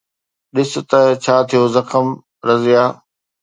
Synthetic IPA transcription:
ɗɪsʊ̆t̪ɐt͡ɕʰaːt̪ʰijoːzɐxəm | ɾɐzɪjaː

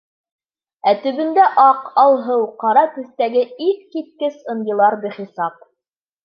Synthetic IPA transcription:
æt̪ɵ̆βɵ̆nd̪æʔɑqɑlˠɦɤwqɑɾɑt̪ʉ̆θt̪æɡɘikkit̪̚kɘsɤ̆njɤ̆lˠɑɾbɘχisɑp̚

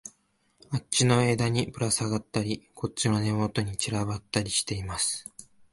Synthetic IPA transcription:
at͡ɕino̞ed̪aɲ̟ipɯ̟ɾasaɡat̪ːaɾʲikʰo̞t͡ɕino̞ne̞mot̪o̞ɲ̟it͡ɕiɾaβat̪ːaɾʲiɕi̥t̪e̞imasɨ̥

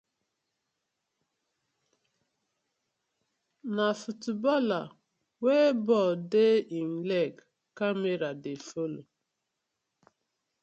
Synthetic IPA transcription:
nafutubɔla | webɔdeim̩lɛk | kameɾadefolo

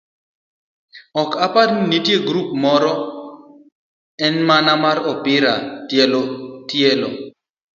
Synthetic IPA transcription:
ɔkapaɾninitjeɡɾup̚mɔɾɔ | ɛnmanamaɾɔpɪɾatjelotjelo

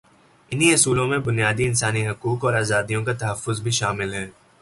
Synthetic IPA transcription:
ɪniɐsuːlõmẽbʊnijaːd̪iɪnsaːniɦʊkuːkɔːɾaːzaːd̪ijõk̬at̪ɐɦəfːʊzbʱiʃaːmɪlɦɛː

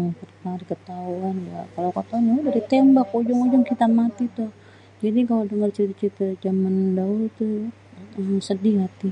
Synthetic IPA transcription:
ŋpərkaɾikət̪auanja̰kalakat̪aanɲaudaɾit̪embakod͡ʒɔŋod͡ʒɔŋkit̪amat̪it̪u | d͡ʒadikaladəŋərt͡ʃit̪t͡ʃit̪ad͡ʒamandault̪u | əmsədiɦat̪i

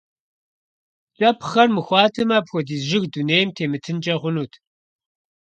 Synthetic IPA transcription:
t͡ʃʷʼɐpʰχɐrmɨxʷɑːtʰɨmɐpxʷɔdiːzʒɪɣduneːjmtʰeːmɨtʰɨnt͡ʃʼɐʁʷʊnuːtʰ

